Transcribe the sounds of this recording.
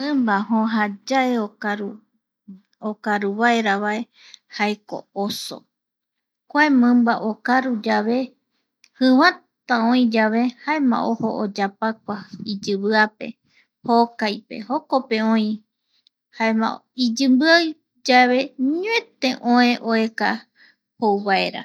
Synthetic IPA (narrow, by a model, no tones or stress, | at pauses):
ɨ̃mbaɦõɦad͡ʒaeoɾu | okaɾuβaeɾaβae̞ | haeko̰oso̰ | kʷaẽmɨ̃mbaʔokaɾud͡ʒaβe̞ | hɨwã | t̪aõĩd͡ʒaβe̞haemã̰ʔoho̰ʔod͡ʒapak̚ʷaid͡ʒɨβɨape̞̰ | hokajpe̞̰hokope̞õĩ | haemã̰id͡ʒɨmbɨaj | d͡ʒaβe̞ɲuẽt̪e̞ʔõẽʔoeka | howβae̞ɾa̰